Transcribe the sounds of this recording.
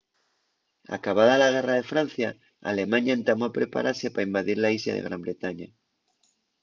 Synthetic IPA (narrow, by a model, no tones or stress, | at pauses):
a̰kaβ̞aðalaɣ̞e̞raðe̞fɾanθja | a̰le̞mãɲaent̪amoapɾepa̰ɾʔaɾsepaimbaðiɾlaisla̰ðḛɣ̞ɾambɾe̞t̪aɲa